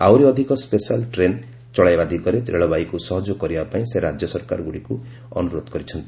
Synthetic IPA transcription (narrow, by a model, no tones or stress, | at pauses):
awɾiɔd̪ʱikɔspesalʈɾen | t͡ʃɔɭajbad̪ʱikɔɾet̪ɾḛɭɔbajkusɔɦɔd͡ʒokɔɾibapaĩseɾad͡ʒjɔsɔɾka̰ɾɔɡuɽiku | ɔ̰nuɾod̪kɔɾit͡ʃʰɔnt̪i